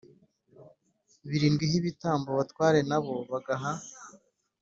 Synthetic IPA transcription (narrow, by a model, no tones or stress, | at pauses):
βiɾiːnɡwiɦiβitaːmboβatwaːɾe̞naβo̞βaɡaɦa